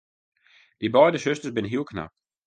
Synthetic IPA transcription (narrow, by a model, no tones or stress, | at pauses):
d̥ibɔɪdəsʃøstəsbɪnɦikʰna̰p̚